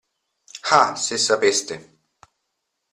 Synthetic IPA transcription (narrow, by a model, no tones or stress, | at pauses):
xasesapest̪e